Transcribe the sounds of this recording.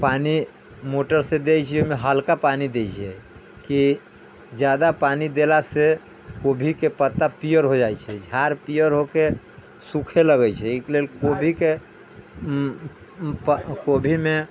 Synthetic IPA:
pani | moʈəɾsed̪ejt͡ʃʰomeɦəlkapanid̪et͡ʃʰɛ | ki | d͡ʒjad̪apanid̪elase | kobʱikepət̪ːapijəɾɦod͡ʒajt͡ʃʰɛd͡ʒʱaɾpijəɾɦoke | sukʰeləɡɛjt͡ʃʰɛiklelkobʱike | pkobʱime

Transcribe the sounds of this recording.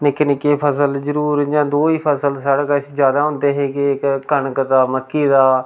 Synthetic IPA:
nɪknɪkeːpʰəsəlzəɾuːɾd͡ʒãːd̪oːiːpʰəsəlsaɽkəsd͡ʒjaːd̪aːɦʊ̃nd̪eːɦeːɡeɪkkːənkət̪aːməkːiːd̪aː

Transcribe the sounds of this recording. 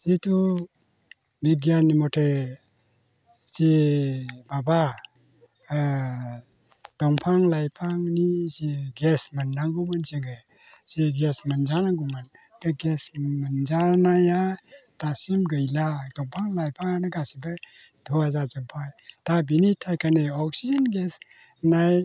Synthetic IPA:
sitʰu | biɡjanːimɔtʰe | si | baba | d̥ɔŋpʰaŋlajpʰaŋnisiɡesmanːaŋɡumansiŋɡɯ | siɡesmənzanaŋɡumɯn | ɡɯɡesmənzanajatasimɡɯjladɔŋpʰaŋlajpʰaŋanɯɡasiba | d̥ʱuazazɯmpʰajtabinitʰajkʰaneɔk̚sizənɡes | naj

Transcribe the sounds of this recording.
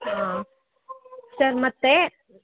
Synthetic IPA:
ɦã | səɾmɐt̪ːe

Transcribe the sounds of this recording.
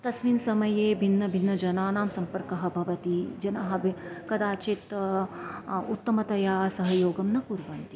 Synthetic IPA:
t̪ɐsʋinsɐmɐjeːbʱinːɐbʱinːɐd͡ʒɐnaːnaːmsɐmpɐɾkɐɦɐ̆bʱɐʋɐt̪id͡ʒɐnɐɦɐbʱkɐd̪aːt͡ʃit̪ | ut̪ːɐmɐt̪ɐjaːsɐɦɐjoːɡɐmnɐkuɾʋɐnt̪i

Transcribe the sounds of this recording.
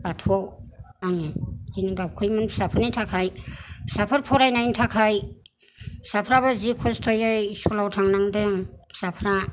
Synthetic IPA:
ɡatʰɔwaŋzinɡap̚kʰɯjmɯnpʰsapʰɯɾnitʰakʰajsapʰɯɾpʰɔɾajnajntʰakʰaj | sapʰɾaβɯzikʰɔstʰɔjaiskɔlawtʰaŋnaŋdɯŋʰsapʰɾa

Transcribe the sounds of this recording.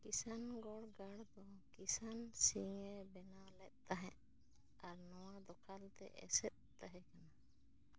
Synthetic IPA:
kisanɡɔɽɡaɽd̪ɔkisansiŋɛbɛnalɛt̪̚t̪aɦɛ̃ʔ | aɾnɔwad̪ɔkʰalt̪ɛ̰ʔɛ̰sɛt̪̚t̪aɦɛ̃kana

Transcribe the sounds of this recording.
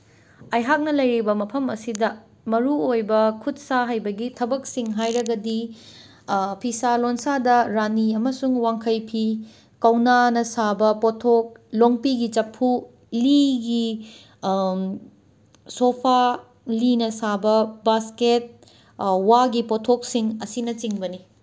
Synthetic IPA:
ɐjɦak̚nɐlɐjɾibɐmɐpʰɐmɐsidɐ | mɐɾuojbɐkʰut̚saɦɐjbɐɡitʰɐbɐk̚siŋɦajɾɐɡɐdi | pʰisalonsadɐɾaniɐmɐsuŋwaŋkʰɐjpʰi | kɐwnanɐsabɐpotʰok̚loŋpiɡit͡ʃɐpʰːu | liɡi | sopʰa | linɐsabɐbasket̚ | waɡipotʰok̚siŋɐsinɐt͡ʃiŋbɐni

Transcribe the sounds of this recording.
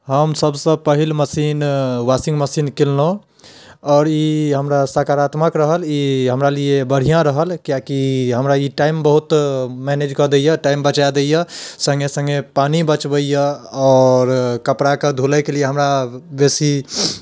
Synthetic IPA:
ɦəmsəbsə̃pəɦilməsinʋasĩŋɡməsinkellõ | ɔːɾiɦəmɾasakaɾat̪məkɾəɦəliɦəmɾalijebəɽ̤ijãɾəɦəlkjakiɦəmɾaiʈaimbəɦut̪mɛned͡ʒkəd̪ejəʈaimbət͡ʃad̪ejəsə̃ŋɡesə̃ŋɡepanibət͡ʃbəjəɔɾkəpɾaked̪ʱuləjkelijeɦəmɾabesi

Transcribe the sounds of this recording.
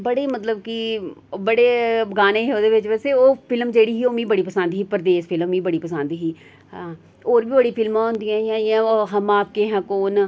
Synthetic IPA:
bəɽeːmət̪ləb̚kibəɽeːɡaːneːoːd̪eːʋɪt͡ʃʋɛːseːoːpʰɪlmd͡ʒeːɽiːɦiːoːmĩːbəɽiːpəsə̃nd̪ɦiːpəɾəd̪eːspʰɪlmːĩːbəɽiːpəsə̃nd̪ɦiː | oːɾbiːbəɽiːpʰɪlmãːɦʊ̃nd̪ijãːãːɪjãːoɦəmaːp̚keːɦãːkoːn

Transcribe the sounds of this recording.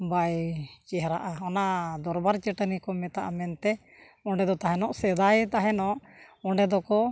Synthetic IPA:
bajt͡ʃɛɦɾaʔaɔnad̪ɔɾbaɾt͡ʃəʈənikɔmɛt̪aʔamɛnt̪ɛ | ɔɳɖɛd̪ɔt̪aɦɛnɔʔsɛd̪ajɛt̪aɦɛnɔʔɔɳɖɛd̪ɔkɔ

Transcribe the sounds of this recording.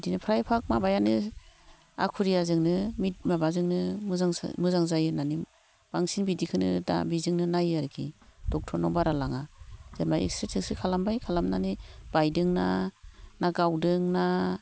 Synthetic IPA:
dinɯpʰɾajpʰak̚mabajanɯ | a̰kʰuɾijazɯŋnɯmit̚mabazɯŋnɯmɯzaŋ̰mɯzaŋzajɯnanim | b̥aŋsinbidikʰɯnɯ̰da̰bizɯŋnɯnajaɾkʰḭd̥ɔk̚tʰɔnɔbaɾalaŋaz̥anmaḭksɾetʰeksɯkʰalambajkʰalamnanɯb̥ajdɯŋnanaɡawdɯŋna

